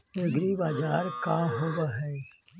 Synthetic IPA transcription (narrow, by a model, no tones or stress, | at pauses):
eɡɾibaːd͡ʒaːɾkaɦobaɦɛː